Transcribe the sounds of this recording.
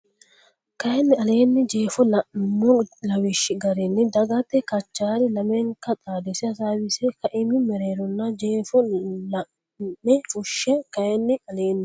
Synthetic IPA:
kɐjɛnːɪɐle̞ːnːɛd͡ʒeːfɔlɐmɔlɐwɪʃːɪɡɐɾɛnːɛd̪ɐɡɐt̪ːɛkɐt͡ʃːaːɾɪlɐmɛŋkɐt͡sʼaːd̪ɛsɪɐsaːwɪsɛkɐʔɪmɪmɛɾeːɾɔnːɐd͡ʒeːfɔlɐː | ɛfʼʊʃːɛkɐjɛnːɪɐleːnːɪ

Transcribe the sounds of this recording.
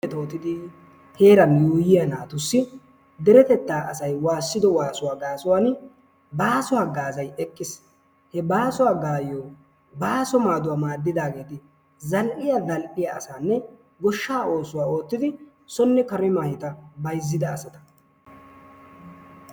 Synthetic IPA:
ɛt̪oːt̪ɪd̪ɪ | he̞ːɾɐnjuːjɪjanaːt̪ʊsːɪ | d̪ɛɾɛt̪ɛt̪ːaːʔɐsɐjwaːsːɪd̪ɔwaːsʊwaːɡaːsʊwaːn | baːsʊwaɡaːzɐjɛkʼːɪs | hɛbaːsʊwaːɡaːjo | baːsɔmaːd̪ʊwamaːd̪ːɪd̪aːɡe̞ːt̪ɪ | zɐlʔɪjadɐlʔɪjaʔɐ̰saːnːɛ | ɡɔʃːaːo̞ːsʊwaːo̞ːt̪ːɪd̪ɪ | sɔnːɛkɐɾɪmaːjɪt̪ɐbɐjzːɪd̪ɐːsɐt̪ɐ̥

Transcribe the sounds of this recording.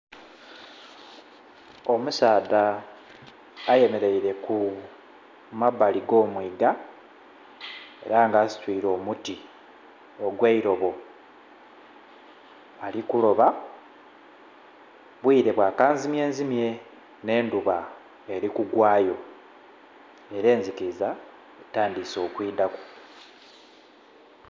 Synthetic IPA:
o̞musaːda | je̞me̞ɾe̞iɾe̞ku | maβːaliɡo̞ːmwiːɡa | e̞̰ɾaŋɡaːsi̥twiːɾo̞ːmuti | oɡweiɾo̞βo̞ | alikulo̞βa | βwiːɾe̞βwaːkaːnzimje̞ːnzimje̞ | ne̞ːnduβa | eɾikuɡwaːjo̞ | e̞ɾe̞ːnzikiza | etaːndiso̞ːkwiːdaku̥

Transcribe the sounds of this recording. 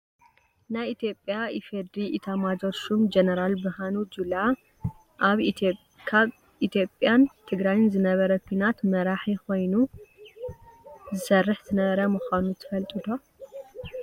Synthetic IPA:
najit̪ʰjo̞pʼjaifed̪ɾiʔit̪ʰamad͡ʒoɾʃumd͡ʒenɐɾalbɨhanud͡ʒula | ʔaβ | kʰaβ | ʔit̪ʰjo̞pʼjant̪ʰɨɡɾajɪnzɨnɐβɐɾɐkʷʰinat̪mɐɾaħiko̞jnu | zɨsɐrːɨħt̪ʰɨnɐβɐɾamɨxʷanut̪ʰɨ̥fɐlt̪ʼid̪ʰo

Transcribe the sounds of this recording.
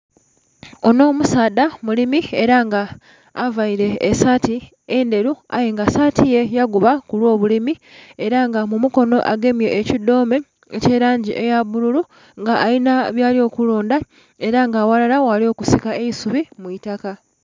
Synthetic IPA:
o̞no̞ːmusaːdamulimieɾaŋɡaː | vaiɾe̞ːsati | ende̞ɾua̰jeŋɡasaːtije̞jaɡuβakulwo̞ːβulimie̞ɾaŋɡamumuko̞no̞ʔa̰ɡe̞mje̞ʔːcido̞ːme̞ | ece̞ɾaːɲɟiʔe̞jaβuɾulu | ŋɡaʔːinaβjaːlio̞ːkuloːnda | e̞ɾaŋɡaːwalalawalio̞kusikae̞isuβimuitaka

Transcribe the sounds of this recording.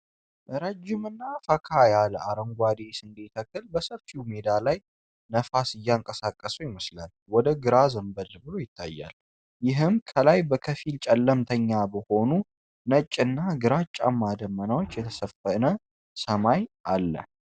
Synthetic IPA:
ʔɾəd͡ʒːɪmɨnːafəkʰajaləaɾəŋɡʷad̪esɨnd̪et̪ʰəkʰːɨlbəsəβfimed̪alaj | nəfasɨjːaŋkʼəsakʼːəsujɪməslal | wɔd̪əɡɨɾazəmbəlːbɨlo̞jɪt̪ʰːa̰jːa̰l | jɪɦɨmkʰəlajbəkʰəfilt͡ʃʼɛlːəmt̪ʰəɲːabəho̞nu | nət͡ʃʼːɨnːaɡɨɾat͡ʃʼːa̰mːad̪əmːənawot͡ʃːjɛt̪ʰə̥səfənə | səmajʔalːə̰

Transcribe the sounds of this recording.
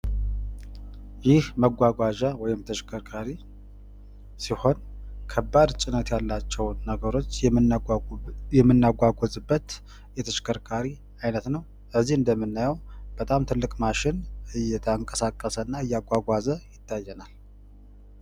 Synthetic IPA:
jɪhməɡʷaɡʷaʒawɔjɪmt̪ʰəʃkʰəɾkʰaɾi | siho̞nkʰəbːad̪t͡ʃʼɪnət̪jalːat͡ʃːɛwnəɡəɾo̞t͡ʃː | ɛmːɨnːaɡʷaɡʷozɨbːət̪ | jɛt̪ʰəʃkʰəɾkʰaɾi | ajnət̪nəw | ʔəzːihɨnd̪əmːɨnːajɛwb̥ət̪ʼamt̪ʰɨlːɨkʼmaʃɪnɨjːɛt̪ʰəŋkʼəsakʼːəsənːaɨjːaɡʷaɡʷazəjɪt̪ʰːajːɛnal

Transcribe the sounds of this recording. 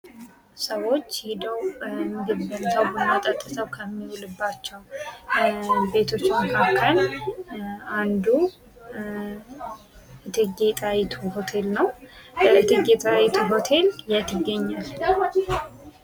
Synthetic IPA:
səwo̞t͡ʃːhɪd̪əwmːiɡədbənsəwbəmət̪ʼət̪ʼːɨsəwkʰəmːiwulɨbːat͡ʃːɛw | be̞t̪ʰo̞t͡ʃːɪməkʰakʰːəl | and̪u | ʔɨt̪ʰɨɡet̪ʼajit̪ʰuho̞t̪ʰe̞lnəwbəɨt̪ʰɨɡet̪ʼajit̪ʰuɦo̞t̪ʰe̞ljat̪ʰɪɡːəɲːal

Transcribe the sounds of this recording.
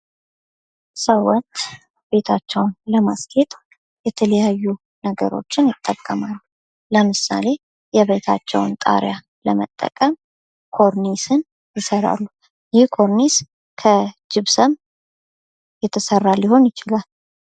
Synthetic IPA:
səwɔt̪ː | be̞t̪ʰat͡ʃːɛwnləmaskʰet̪ʼ | jɛt̪ʰələjajːu | nəɡə̰ɾo̞̰t͡ʃːɪnjɪt̪ʼːəkʼːəmalːu | ləmɨsa̰le̞ | jɛβe̞t̪ʰat͡ʃːɛ̰wnt̪ʼa̰ɾja | ləmə̰t̪ʼːə̰kʼəm | kʰo̞ɾnisɨn | jɪsəɾa̰lːu | jɪhkʰo̞ɾnis | kʰəd͡ʒɪβsəm | jɛt̪ʰːəsərːalːiho̞njɪt͡ʃɪlal

